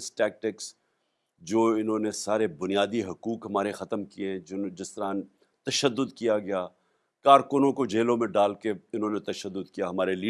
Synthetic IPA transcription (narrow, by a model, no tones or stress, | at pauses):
sʈɛːk̚ʈɪks | d͡ʒoːɪnɦõːnesaːɾebʊnijaːd̪iɦɐkuːkɦɐmaːɾexɐt̪əmkieɦɛ̃d͡ʒd͡ʒɪst̪əɾaːn | t̪ɐʃəd̪ːʊd̪kijaɡɐjaː | kaːɾkʊnõkod͡ʒeːlõmẽɖaːlkeɪnɦõːnet̪ɐʃəd̪ːʊd̪kijaɦɐmaːɾeliː